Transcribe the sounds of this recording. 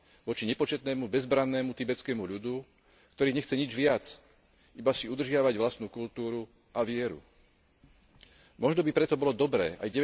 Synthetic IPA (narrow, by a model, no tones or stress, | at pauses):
ʋɔt͡ʃiɲɛpɔt͡ʃɛt̪nɛːmubɛzbɾanːɛːmut̪ibɛt͡skɛːmuʎud̪u | kt̪ɔɾiːɲɛxt͡sɛɲid͡ʒʋɪat͡s | ibasiud̪r̩ʒɪaʋaɟʋlast̪nuːkult̪uːɾu | aʋɪɛɾṵ | mɔʒnɔbipɾɛt̪ɔbɔlɔd̪ɔbɾɛ̰ːʔa̰jɟɛɛ